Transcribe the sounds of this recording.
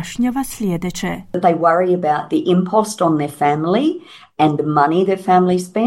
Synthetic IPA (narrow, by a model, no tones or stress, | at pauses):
ʃɲɔvaslʲɛd̪ɨt͡ʃɛ̰t̪̚ðeɪwʌɹiɨbaʊt̪̚ðiʔɪ̃mpʰɔstn̩ðə˞fæ̃mli | ɨ̃nðəmʌniðə˞fæ̃mliz̥spɛ̃